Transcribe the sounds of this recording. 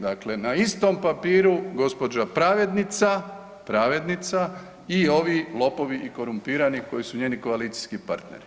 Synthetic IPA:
d̪akle̞naist̪o̞mpapiːɾuɡo̞spo̞d͡ʒapɾaːʋe̞d̪nit̪sa | pɾaːʋe̞d̪nit̪sa | io̞ʋilˠo̞po̞ʋiʔiko̞ɾumpiːɾaniko̞jisuɲeːniko̞aliːt̪si̥skipa̰ɾt̪ne̞̰ɾi̥

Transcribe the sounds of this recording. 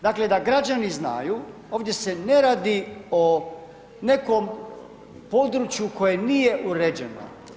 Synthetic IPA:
d̪akle̞d̪aɡɾad͡ʑanizna̰ju | o̞ːʋd̪je̞se̞ne̞ɾaːd̪io | ne̞ko̞m | po̞d̪ɾut͡ɕjuko̞jenije̞ʔuɾed͡ʑeno̰

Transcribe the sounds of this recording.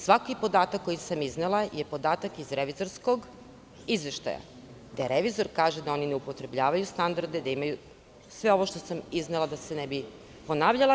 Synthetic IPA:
sʋakipo̞d̪aːt̪akːo̞jisamiznelˠajepo̞d̪aːt̪akizɾeʋizo̞ɾsko̞ɡ | izʋe̞ʃt̪a̰ja̰ | d̪aɾeʋizo̞ɾkaːʒed̪ao̞nine̞upo̞t̪ɾe̞bʎaːʋajust̪and̪aɾd̪e̞d̪aimaju | sʋe̞o̞ʋoʃt̪o̞samiznelad̪ase̞nebi | po̞naːʋʎalˠa

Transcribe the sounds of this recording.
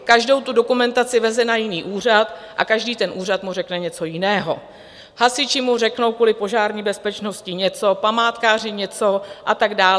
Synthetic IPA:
kaʒdo̞wt̪udo̞kumɛnt̪at͡sɪvɛzɛnajɪniːʔuːr̝at̪ʔa̰kaʒdiːt̪ɛnʔuːrat̪murɛknɛɲɛt͡so̞jɪnɛːɦo̞̰ | hasɪt͡ʃɪmur̝ɛkno̞wkuːlɪpo̞ʒaːɾɲiːbɛspɛt͡ʃno̞scɪɲɛt͡so̞pamaːt̪kaːr̝ɪɲɛt͡so̞ʔat̪aɡdaːl

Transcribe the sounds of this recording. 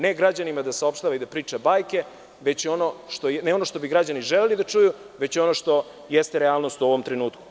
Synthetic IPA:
neɡɾad͡ʑanimad̪asao̞pʃt̪aːʋaid̪apɾiːt͡ʂabaːjke̞ | ʋe̞t͡ɕo̞no̞ʃt̪oneo̞no̞ʃt̪o̞biɡɾad͡ʑaniʒelelid̪at͡ʃuju | ʋe̞t͡ɕo̞no̞ʂt̪o̞ | jest̪eɾeaːlnost̪uo̞ʋo̞mt̪ɾenuːt̪ku̥

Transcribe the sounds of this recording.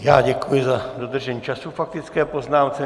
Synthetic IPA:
ja̰ːɟɛkujɪzadod̪r̩ʒɛɲiːt͡ʃasufak̚t̪ɪt͡skɛːpoznaːmt͡sɛ

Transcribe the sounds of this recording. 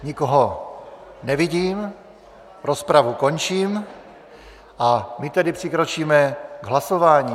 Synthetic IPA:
ɲikɔɦɔ | ɲɛʋiɟiːm | ɾɔspɾaʋukɔɲt͡ʃiːm | amit̪ɛd̪ipr̥ikɾɔt͡ʃiːmɛɡɦlasɔʋaːɲiː

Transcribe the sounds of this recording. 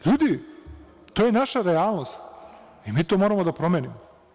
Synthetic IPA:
ʎuːd̪i | t̪oːjenaʃaɾeaːlˠno̞st̪ | imiːt̪oːmoɾamod̪apɾo̞menimo

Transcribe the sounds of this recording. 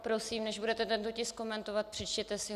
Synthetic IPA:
pɾo̞siːmnɛʒbudɛt̪ɛt̪ɛnt̪ocɪsko̞mɛnt̪ovat̪̚pr̥ɛt͡ʃcɛt̪ɛsɪ

